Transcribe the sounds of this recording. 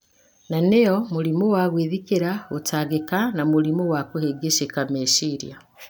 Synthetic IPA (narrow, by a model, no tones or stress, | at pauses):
nanejɔmuɾimowaɣweðikeɾaotʰaɣekanamuɾimoɣwakoheɡeʃekameʃiːɾja